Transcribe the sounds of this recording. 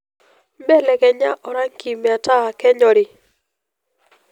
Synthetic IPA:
mɛ˦lɛ˨kɛ˨ɲa˦ʔɔ˨ɾa˦ŋki˨mɛ˨a˨ta˦˨kɛ˦ɲɔ˨ɾɪ˨

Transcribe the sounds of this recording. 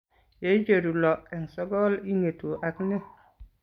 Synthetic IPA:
je˨˦d͡ʒe˨ɾu˨lɔ˨ɛ˨ŋ˨sɔ˦ɡɔ˦li˦ŋe˨tu˨ʔa˨kne˦

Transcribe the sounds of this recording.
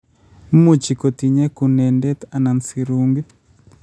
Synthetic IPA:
mu˨t͡ʃi˨ko˨t̪i˨ɲɛ˦kunɛ˨ndɛt̪a˨na˨nsiɾuŋɡi˦

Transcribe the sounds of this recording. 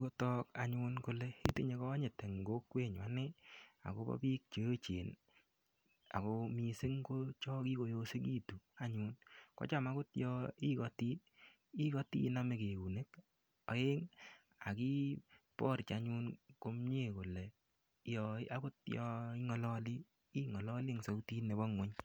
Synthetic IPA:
ko˦tɔ˦ka̰˨ɲunko˨lɛ˨i˦te˦ɲe˨˦kɔ˦ɲe˨te˨ŋ˨ɡo˦kwe˦˨ɲwa˨˦nɪ˦a̰˨ko˦bɔ̰˦piː˦k̚t͡ʃe˦t͡ʃḛː˨n | a̰˨komi˨˧se˦ŋko˦t͡ʃɔ˦ki˦ko˨jo˦se˦ki˦tu˨a˦ɲu˦nkɔ̰˦t͡ʃa˦˨ma˦kʊ˦tjɔi˦kɔ˨ti˦t | i˦kɔ˦tḭ˦na˦me˨ke˨ku˨ne˦k | ɔ̰˦e˦ŋ | a̰˨ki˦pɔ˦ɾt͡ʃa˦ɲu˦nko˦mɲe˦˨ko˨lɛ˨ | jɔ˨˦a˦ko˦tjɔi˦ŋɔ˦lɔ˦li˦ | i˦ŋɔ˨lɔ˦li˦ŋso˦ktiː˦ne˨bɔ˦ŋwɛ˦ɲ

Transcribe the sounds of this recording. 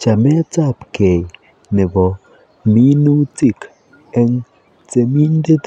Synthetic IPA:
t͡ʃa˨me˦t͡sa˦˨pke˨j | ne˨bɔ˨ | mi˦nu˦ti˦˨k | e˦ŋ | t͡se˨mi˦n˦de˦t

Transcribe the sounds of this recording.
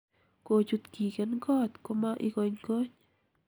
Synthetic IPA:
ko˧d͡ʒu˧t̪ki˨ɡe˨˦nɡo˦t̪ko˧ma˦ʔḭ˧ɡo˧ɲɡo˦ɲ

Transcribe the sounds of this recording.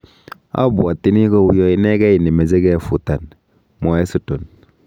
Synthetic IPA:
a̰˦bu˨a˨ti˦ni˦ko˦wu˦jɔ˦i˦ne˦ke˦ji˨ne˨me˨ze˦ke˦˨fu˨ta˨n | mɔ˨e˦su˨to˨n

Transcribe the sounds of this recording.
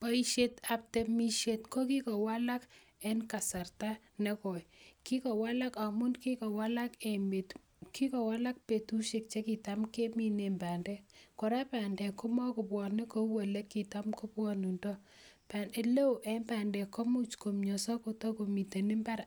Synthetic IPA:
pa˦i˦ʃe˦ta˨p̚te˨mi˦ʃe˨tkɔ˦ki˦kɔ˨wa˦la˦k | ɛ˦nka˨sa˨rta˦ | nɛ˦kɔ˨jki˦kɔ˨wa˦la˦ka˨mʊ˦nki˦kɔ˨wa˦la˦ke˨me˨t | ki˦kɔ˨wa˦la˦k̚pe˨tu˦ʃe˦k̚t͡ʃe˦ki˨ta˦mke˦mi˦ne˨mba˨ndɛ˦kɔ˨ɾa˦pa˨ndɛ˨ko˦mɔ˦kʊ˨pwɔ˨nɛ˦ko˦wa˨le˦kːi˨ta˦mko˦pwɔ˦nu˨ndɔ˦ | pa˨ne˨le˦wʔɛ˦mba˨ndɛ˨kɔ˦mu˦t͡ʃko˨mɲɔ˨sa˦ko˨tɔ˦ko˨mi˨te˨nɪ˦mba˦ɾ

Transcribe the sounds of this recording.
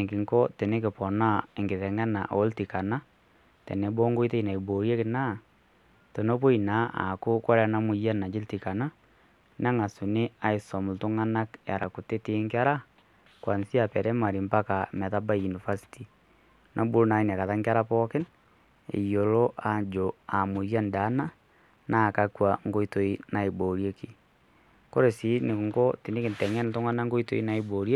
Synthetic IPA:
ŋkɪ˨ŋkɔ˦tɛ˨ne˦kɪ˨pɔ˨na˦e˨ŋɡɪ˨ðɛ˨ŋa˦na̰˨ʔo˨˦lti˨ka˨na˦ | tḛ˨ne˨bo˦ŋɡo˦i˦te˦i˨na˨i˨bo˨ɾje˦kɪ˨na˦˨ | to˨no˦po˦i˨na˨˦a̰˨kʊ˦kɔ˦ɾɛ˨˦na˦mʊ˨ja˦na˨d͡ʒɪ˦lti˨ka˨na˦ | na˦ŋa˨sʊ˨nɪ˦a˦ɪ˨sɔ˨mʊ˨ltʊ˦ŋa˦na˦kja̰˨ɾa̰˨ku˨te˦tɪ˦ŋkɪ˦a˦ɾa˦ | kwa˨nsi˦a˨pɛ˨ɾɛ˦ma˨ɾi˨mpa˦ka˨mɛ˨ða˦ba˦ju˨ni˨fa˦si̥ti˨ | nʔa˦bu˦ɾna˨i˦n˨a˨ka˨ða˦ŋka˦ɾa˦pɔ˦ke˦n | ḛ˨jo˨lo˦ʔa˨d͡ʒo˨a˨mu˨ɾja˦nda˨˦na˦ | na˦˨ka˦kwa˨ŋɡo˦i˦to˨˦i˦na˨e˨bo˨ɾie˦ki˨ | ko˦ɾe˨si˨˦ne˨kŋɡo˦te˨ne˦ke˨ntɛ˨ŋɛ˦nto˦ŋa˦na˦ŋɡo˦i˦to̰˦i˦na˨˦i˨boɾje˦

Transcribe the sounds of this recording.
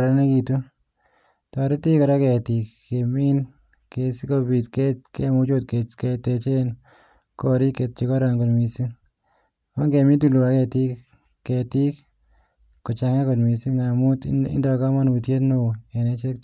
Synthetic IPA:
ɾa˨ne˦ki˨tu˦ | tɔ˨ɾi˦ti˦kɔ˨ɾɔ˦kɛ˨ti˨kːe˨mi˦n | kesi˦ko˧bi˨tketke˦mʊ˦t͡ʃo˦tkekete˧t͡ʃe˦n | koɾi˦ke˨t̚t͡ʃi˦kɔ˦ɾɔ˨ŋko˨tmi˨si˦ | ɔ˦ŋke˨mi˦t̬u˨lu˨wa˨˦kɛ˧ti˦k | kːeti˦k | ko˨t͡ʃa˨ŋe˦ko˨tmi˨si˦ŋa˨mu˦tɪ̰˦ndɔka˦ma˦nu˨tje˦tno˨e˨ne˦t͡ʃe˦k

